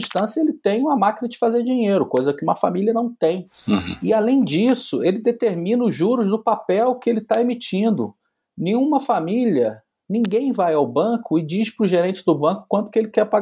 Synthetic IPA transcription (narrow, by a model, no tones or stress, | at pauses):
iʃt̪ɐ̃sɐelɪt̪ẽj̃ũmɐmakinɐd͡ʒɪfazeɾd͡ʒiɲejɾʊkojzɐkɪũmɐfa̰miliɐnɐ̃w̃t̪ẽj̃ | ɪalẽj̃d͡ʒisʊelɪd̪et̪eɾmĩnɐʊʒuɾʊzd̪ʊpapɛwkɪelɪt̪aemit͡ʃĩnd̪ʊ | nẽj̃ũmɐfamilʲiɐ | nĩŋɡẽj̃vajawbɐ̃kʊɪd͡ʒiʃpɾʊʒeɾẽnt͡ʃɪd̪ʊbɐ̃kʊ̥kwɐ̃nt̪ʊ̥kɪelɪkɛɾpaɡ